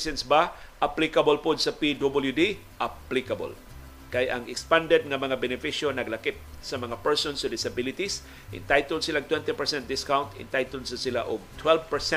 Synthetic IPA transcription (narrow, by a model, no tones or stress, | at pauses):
sɛnsbaʔaplikabolpʊd̪sapid̪obəljud̪i | ʔaplikabo̰l | kajʔa̰ŋɪkspãnd̪ɛd̪̚ŋamɐŋabɛnɪfiʃonɐɡlakɪp̚sɐmɐŋapɛɹsonsod̪ɪsabɪlɪt̪is | ʔɪ̰nt̪ajt̪ʊlsɪlaɡ̚t̪wɛnt̪ipɛɹsɛnt̪̚d̪ɪskawnt̪ɪ̰nt̪ajt̪ʊld̪sasɪlaʔʊɡ̚t̪ʰwɛlvpɛɹsɛ